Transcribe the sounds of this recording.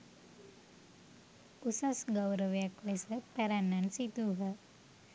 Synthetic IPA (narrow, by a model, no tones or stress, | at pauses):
usasɡəwɾəʋjaklesəpɛɾanːansit̪uɦə